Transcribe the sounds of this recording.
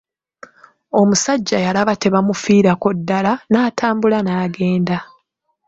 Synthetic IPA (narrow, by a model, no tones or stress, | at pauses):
o̞musaɟːajalaβate̞βamufiːɾakodːalanaːtʰaːmbulanaːɡe̞ːnda